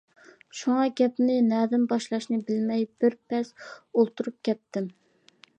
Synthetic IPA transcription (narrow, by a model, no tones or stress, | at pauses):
ʃuŋɑɡʲɛpnɪnɛːd̪ɪnbɑʃlˠɑʃnɨbɪlmɛjb̥ɪɾpʰɛsolˠt̪uɾup̚kʲʰɛt̪ːɪm